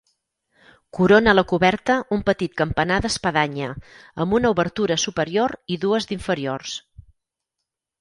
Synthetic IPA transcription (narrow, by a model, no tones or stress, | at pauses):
kuɾonələkuβɛɾt̪əumpət̪it̪̚kəmpənaðəspəðaɲəəmbunəuβəɾt̪uɾəsupəɾioɾiðuəzd̪iɱfəɾiors